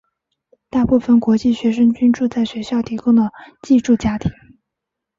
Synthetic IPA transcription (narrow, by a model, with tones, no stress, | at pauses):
t̪a˥˧pu˥˩fə˨˩nkwɔ˧˥t͡ɕi˥˩ɕɥɛ˧˥ʂ̬ə˥ŋt͡ɕy˥nʈ͡ʂu˥˧t͡sa˥˩ɪɕɥɛ˧˥ɕjɑ˥˩ʊt̪ʰi˧˥kʊ˥ŋd̪ə˨t͡ɕi˥˧ʈ͡ʂu˥˩t͡ɕja˥t̪ʰi̥˧˥˦ŋ